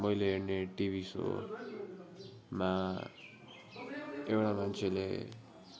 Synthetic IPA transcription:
mʌjleɦerneʈibʱiso̰ | ma | ewɽamant͡sʰelḛ

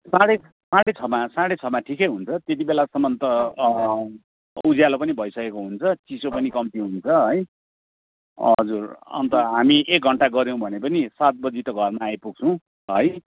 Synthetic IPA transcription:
sãɽe | sãɽet͡sʰʌbmasãɽet͡sʰʌbmaʈʰikʌjɦunt͡sʰʌt̪jet̪ibelasʌmʌnt̪ʌ | ud͡zjalopʌnibʱʌjsʌkekoɦunt͡sʰʌt͡sisopʌnikʌmt̪iɦunt͡sʰʌɦʌj | ʌʌd͡zurʌ̰nt̪ʌɦamiʔek̚ɡʱʌɳʈaɡʌɾj̃w̃bʱʌnepʌnisat̪̚bʌd͡zit̪ʌɡʱʌrmaːjpuɡ̚t͡sʰʌ̃w̃ | ɦʌj

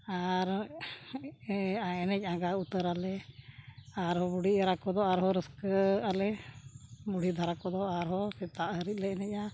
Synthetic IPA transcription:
aɾ | aɛnɛc̚ˀaɡaut̪əɾalɛ | aɾɦɔbuɽ̤iəɾakɔd̪ɔaɾɦɔɾəskəalɛ | buɽid̪ʱaɾakɔd̪ɔaɾɦɔsɛt̪aʔɦəɾic̪̚lɛɛnɛc̚a

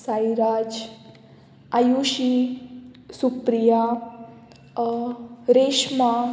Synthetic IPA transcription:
sajɾaːd͡ʒ | ajuʃi | supɾija | ɾeʃma

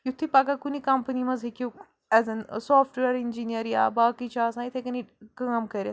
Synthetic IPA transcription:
jut̪ʰːipaɡakunikɐmpənimɐzɦeku | ɛzənsɔːfʈʋeɾind͡ʒinijəɾja̰baːkit͡ɕaːsãit̪ʰekɐnikamkɐɾʲa

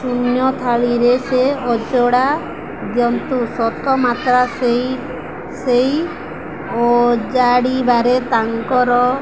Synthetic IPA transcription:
sunjɔt̪ʰaɭiɾeseɔd͡ʒɔɽa | djɔnt̪usɔt̪ɔmat̪ɾasej | sej | od͡ʒaɽibaɾet̪aŋkɔɾɔ

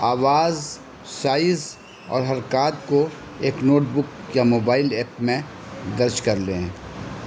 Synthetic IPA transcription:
aːʋaːz | saːɪz | ɔ̰ːɾɦɐɾkaːt̪ko | eːknoːʈ̚bʊkjamoːbaːɪlɛːpmẽ | d̪ɐɾd͡ʒkɐɾlẽ

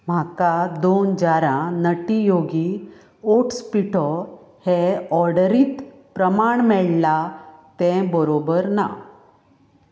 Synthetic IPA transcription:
m̤akad̪ond͡ʑaɾãnəʈijoɡi | oʈspiʈʰɔheɔɾɽəɾiːt̪ | pɾəmaɳmɛɭlat̪ɛ̃bəɾobəɾna̰

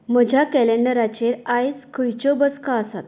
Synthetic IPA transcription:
məd͡ʑʱjakɛleɳɖəɾat͡ɕeɾajskʰəjt͡ɕɔbəskaəsa̰t̪

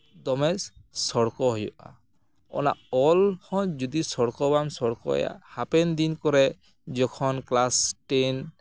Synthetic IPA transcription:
d̪ɔmɛssɔɽkɔɦɔjɔ̰ʔa̰ | ɔ̰na̰ʔɔlhɔ̃d͡ʒud̪isɔɽkɔbamsɔɽkɔ̰ɔ̰ja̰hapɛnd̪inkɔɾɛ | d͡ʒɔkʰɔnklasʈen

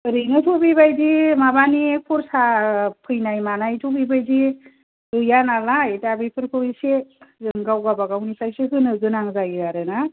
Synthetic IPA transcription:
ɾɯjnɯtʰɔbibajdimabaniepʰɔɾsapʰɯjnajmanajtʰobibajdi | ɯjanalajtabɯjpʰɯɾkʰɯisezɯŋɡawɡabaɡawnisʰajsɯɦɯnɯzɯnaŋzajɾaɾɯna

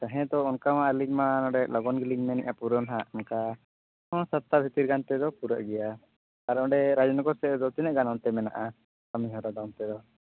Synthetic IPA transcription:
t̪aɦɛ̃d̪ɔɔnkamãalikmanɔɖɛʔlɔɡɔnɡiliŋmɛnḭʔapuɾɔnɦaɔnka | ɔ̃sat̪ːabʱit̪iɾɡant̪ɛd̪ɔpuɾaʔɡɛja | kaɾɔɔ̃ɖɛɾad͡ʒɔnakɔsɛd̪ɔt̪inɛʔɡanɔnt̪ɛmɛna̰ʔa | kamiɦɔɾad̪ɔnt̪ɛd̪ɔ

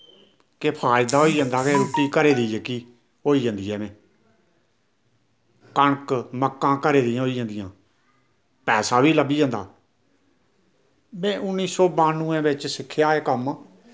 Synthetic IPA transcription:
kepʰaːɪd̪aːoːiːd͡ʒãːnd̪aːkeːɾʊʈːiːkəɾeːd̪iːd͡ʒeːkiː | oːiːd͡ʒãːnd̪iːɛːmɛ̃ː | kəɳkməkːãːkəɾeːd̪ɪãːoːiːd͡ʒãːnd̪ɪjãː | pɛːsaːbiːləbiːd͡ʒãːnd̪a̰ː | mɛ̃ːʔʊnːiːsɔːbaːnũːɛ̃ːbɪt͡ʃsɪkʰːjaːeːkəm

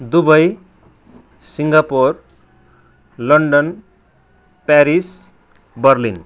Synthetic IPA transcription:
d̪ubʌj | siŋɡapor | lʌɳɖʌn | paɾis | bʌrlin

